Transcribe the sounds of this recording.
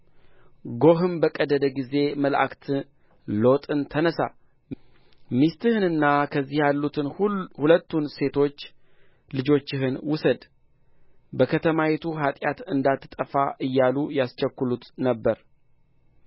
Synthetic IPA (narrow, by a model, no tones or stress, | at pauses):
ɡo̞ɦɨmbəkʼəd̪əd̪əɡize̞məlʔa̰kt̪ʰɨ | lo̞t̪ʼɨnt̪ʰənəsa̰ | mist̪ɨhɨnɨnːakʰəzːihjalːut̪ʰɨnhulət̪ːunse̞t̪ʰo̞t͡ʃː | lɨd͡ʒo̞t͡ʃːɪɦɨnwʊsəd̪ | bəkʰət̪ʰəmawet̪ʰuɦat̪ʼjat̪ɨnd̪at̪ːɨt̪ʼəfaʔɨjːalujast͡ʃəkːulut̪nəbːəɾ